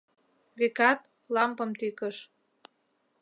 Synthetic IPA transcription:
βekɑt̪ | lɑmpɤ̆mt̪ikəʃ

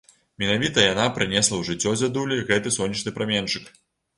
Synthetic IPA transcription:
mʲɛnavʲit̪ɐjanapɾɨnʲɛslˠɐwʐɨt͡sʲːɔzʲad̪ulʲiɣɛt̪ɨsɔnʲːɐt͡ʂnɨpɾamʲɛnt͡ʂɨk

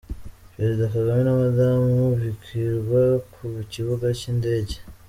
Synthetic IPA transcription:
pɾezidakaɡamenamadamuvikiɾɡwakʰuβiciβuɡaciːnde̞ɟe

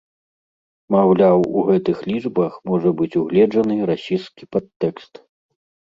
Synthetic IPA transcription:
mawlʲawuɣɛt̪ɨxlʲid͡ʐbɐxmɔʐɐbɨt͡sʲuɣlʲɛd͡ʐɐnɨɾasʲijskʲipat̪ːɛkst̪

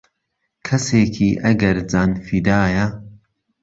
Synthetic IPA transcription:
kʰɐseːkʰiːʔɐɡɐɾd͡zaːnfid̪aːjɐ

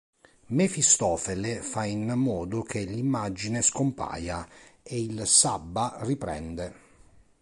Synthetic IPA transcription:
mefist̪ɔːfelefainmːɔːd̪ok̟elːimːad͡ʒineskompa̰ːjaeilsabːaripɾɛ̰nd̪e

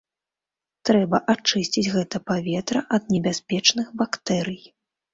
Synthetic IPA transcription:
t̪ɾɛbɐʔat͡ʂɨsʲt͡sʲid͡zʲɣɛt̪ɐpavʲɛt̪ɾɐʔɐd̪̚nʲɛbʲasʲpʲɛt͡ʂnɨxbakt̪ɛɾɨj

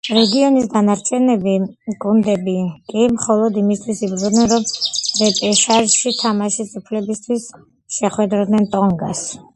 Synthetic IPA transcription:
ɾɛɡiɔnisd̪anaɾt͡ʃʰɛnɛbiɡund̪ɛbikʼimχɔlˠɔd̪imist̪ʰwisibɾud̪nɛnɾɔmɾɛpʼɛʃaɾʃit̪ʰamaʃisʼupʰlɛbist̪ʰwis | ʃɛχwɛd̪ɾd̪nɛnt̪ʼɔŋɡas

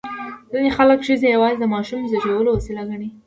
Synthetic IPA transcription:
zinexaləkʃəzejawɑzid̪əmɑʃumzaʒewəloasilaɡaɽi

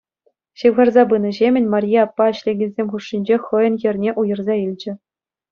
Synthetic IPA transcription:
ɕɯʋʁɑrzɑbɯnɤ̆ʑemʲɘ̆nʲmɑrʲjeɑpːɑɘ̆ɕlʲeɡʲĕnʲzʲemʲχuʂːinʲd͡ʑeχɤ̆jɤ̆njɘ̆rʲnʲeʔujɤ̆rzɑilʲd͡ʑɘ̆

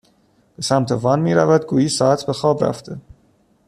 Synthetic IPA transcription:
b̥e̞sæmt̪ʰevɒnmiːɾævæd̪ɡuːjiːsɒːæt̪ʰbe̞xɒːbɾæ̰ft̪ʰe

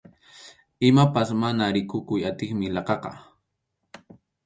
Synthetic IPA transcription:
ɪmapasmanaɾɪkʊkʊjat̪ɪŋmɪlɑqɑqɑ̰

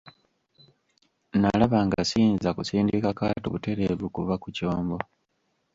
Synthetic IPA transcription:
nalaβaːŋɡa̰siːnzakusiːndikakaːtuβute̞ɾe̞ːβukuβakucoːmbo̞

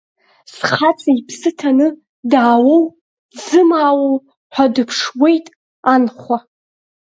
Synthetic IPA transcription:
sχat͡sʼaipʰsɨtʰanɨ | daːwow | d͡zɨmaːwow | ħʷadɨpʰʂwe̞jtʼ | anχʷa

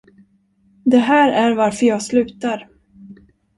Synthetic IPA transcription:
d̪ɛɦæːɾæɾvaɾfœɾjɑːɡslʉ̟ːt̪aɾ

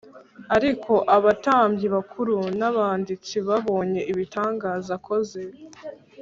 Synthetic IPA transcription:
aɾikʰo̞ʔaβataːmbɟiβakʰuɾunaβaːndit͡siβaβo̞ːɲe̞ʔiβitaːŋɡaːzakʰo̞ze

